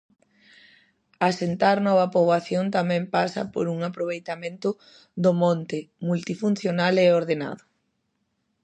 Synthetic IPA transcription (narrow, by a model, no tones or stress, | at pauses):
asent̪aɾnɔβ̞ɐpoβaθjont̪amɛ̃mpasɐ̰po̰ɾuŋapɾoβ̞ejt̪amẽnt̪ʊ | ðomɔ̃nt̪ɪmult̪ifun̟θjonalɛoɾðena̰ðʊ